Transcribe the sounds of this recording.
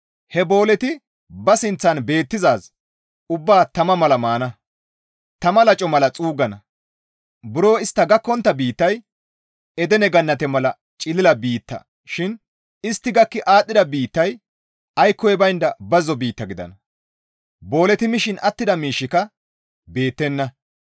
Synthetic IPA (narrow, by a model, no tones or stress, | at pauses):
hɛbo̞ːlɛt̪ɪ | bɐsɪnt͡sːɐnbe̞ːt̪ːɪzaːz | ʊbːaːt̪ɐmɐmɐlɐmaːnɐ | t̪ɐmɐlɐt͡ʃʼɔmɐlɐt͡sʼuːɡɐnɐ | bɪɾo̞ːɪst̪ːɐɡɐkːɔnt̪ːɐbiːt̪ːɐj | ɛd̪ɛnɛɡɐnːɐt̪ɛmɐlɐ | t͡ʃʼɪlɪlɐbiːt̪ːɐ̰ | ʃɪn | ɪst̪ːɪɡɐkːɪʔaːt̪ʼːɪd̪ɐbiːt̪ːɐj | ʔɐjkːɔjɛbɐjnd̪ɐbɐzɔbiːt̪ːɐɡɪd̪ɐ̰nɐ | bo̞ːlɛt̪ɪmɪʃɪnɐt̪ːɪd̪ɐmiːʃːɪkɐ | be̞ːt̪ːɛnːɐ